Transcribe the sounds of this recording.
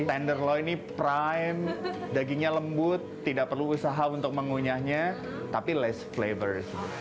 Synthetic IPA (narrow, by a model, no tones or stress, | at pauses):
t̪ɛndərlɔinipɾajmdaɡiɲaləmbʊt̪ːidaʔ̚pərluːsaɦaunt̪ʊk̚məŋuɲahɲa | t̪apilɛsflevərdisit̪u